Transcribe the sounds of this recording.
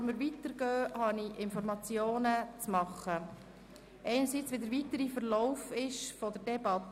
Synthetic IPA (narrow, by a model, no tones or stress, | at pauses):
ɾməɾʋitəɾɡ̥œːhɑniɪnfɔɾmɑt͡sjoːnət͡smɑχːə | ʔɛɪnəɾsit͡sʋidəɾʋitəɾifəɾlɔʊfɪʃfɔdəɾdɛbɑt